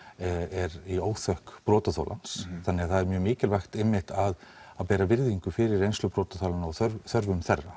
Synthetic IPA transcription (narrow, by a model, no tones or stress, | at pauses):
ɛɾioːwθœhkpɾɔːt̪aθa̰wla̰nsθanːɛɣaðθaðɛɾmjœːmɪːcɪlvaxt̪ɪmːɪht̪aðaðpɛːɾavɪɾðiŋkʏfɪɾɪɾejnslʏpɾɔːt̪aθawlanɔθœɾθœɾvʏmθɛrːa